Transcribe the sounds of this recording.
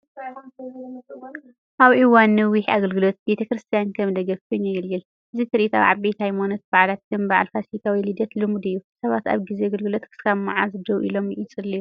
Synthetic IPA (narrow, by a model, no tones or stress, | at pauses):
ʔaβʔiwanːɨwiha̰ɡɐlɡɨlot̪̚be̞t̪ʰɐkɾɨst̪ʰijankʰɐmd̪ɐɡɐfkʰɨɲːajɛlːɨl | ʔɨzit̪ʰɨɾʔit̪ʰa̰wʕa̰βbet̪hajmonɐt̪̚baʕlat̪̚kʰɨnbaʕa̰lfasit̪ʰawilid̪ɐt̪lɨmud̪ɨjːusɐβat̪a̰βɡizeɡɐlɡɨlot̪kʰɨ̥skʰamaʕazɨd̪ɐwʔḭlo̞mʔit͡sʼɨliu